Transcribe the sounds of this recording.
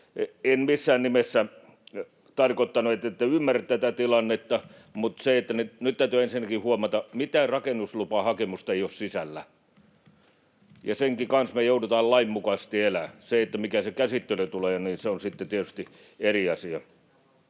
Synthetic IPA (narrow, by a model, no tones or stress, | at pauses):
enmisːæːnnimesːæ | t̪ɑrkot̪ːɑnuet̪ːet̪ːæymːært̪t̪æt̪æt̪ilɑnːet̪ːɑ | mut̪seet̪ːænenyt̪t̪ːæyt̪yensinːækihuomɑt̪ɑmit̪ærɑkenːuslupɑhɑkemust̪ɑeiossisælːæ | jɑseŋkikɑnsmejoudut̪ɑːllɑimːukɑst̪ielæseet̪ːæmikæsekæsit̪ːeløt̪uleːniːnseonsit̪ːet̪iet̪yst̪i | eriɑsiɑ